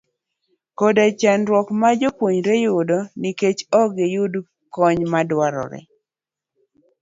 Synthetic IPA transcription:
kɔdat͡ʃanɾwɔkmad͡ʒopwoɲɾejʊdɔniket͡ʃɔɡejʊd | kɔɲmadwaɾɔ̰ɾɛ̰

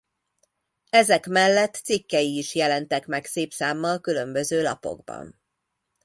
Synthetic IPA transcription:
ɛzɛkmɛlːɛt̪ːsikːɛjiːʃjɛlɛnt̪ɛkmɛkseːpsaːmːɒlkylø̞mbø̞zøːlɒ̰po̞̰ɡbɒ̰n

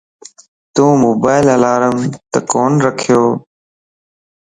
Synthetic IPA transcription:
t̪ũːmoːbaːɪləlaːɾəmt̪əkoːnɾəkʰjoː

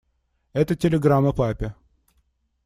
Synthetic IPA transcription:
ɛt̪ətʲɪlʲɪɡɾamːəpapʲɪ

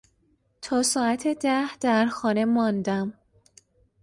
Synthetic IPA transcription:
t̪ʰɒːsɒːæt̪ʰed̪æhd̪̥æɾxɒːne̞mɒnd̪æm

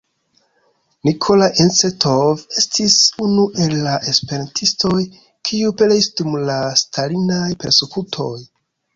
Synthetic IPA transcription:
nikʰo̞laʔensetʰove̞stisunuʔe̞lːaʔe̞spe̞ɾantʰisto̞j | kʰiupeleisdumlastʰalinajpe̞ɾse̞kutʰo̞j

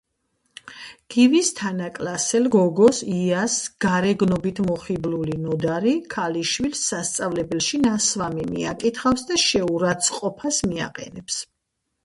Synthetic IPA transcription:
ɡ̥ivist̪ʰanakʼlasɛlɡɔɡɔsiasɡ̥aɾɛɡnɔbit̪ʰmɔχiblulinɔd̪aɾikʰaliʃwilsːast̪sʼavlɛbɛlʃinasvamimḭa̰kʼit̪ʰχafsd̪aʃɛuɾat̪sʰqʼɔpʰasmia̰qʼɛ̰nɛps

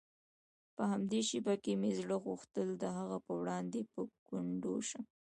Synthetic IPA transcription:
pəhamd̪eʃibakemezɽəɣuxt̪əld̪əɦaɣapəwɽɑnd̪epəkʊɳɖoʃə

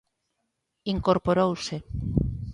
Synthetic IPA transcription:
iŋkoɾpoɾowse

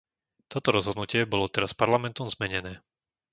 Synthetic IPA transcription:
t̪ɔt̪ɔɾɔzɦɔd̪nucɪɛbɔlɔt̪ɛɾaspaɾlamɛnt̪ɔmzmɛɲɛnɛː

